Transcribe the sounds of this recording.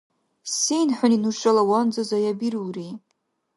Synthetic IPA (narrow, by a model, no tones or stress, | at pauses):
sijnħʷʊninuʂʼalawand͡zazajabiruri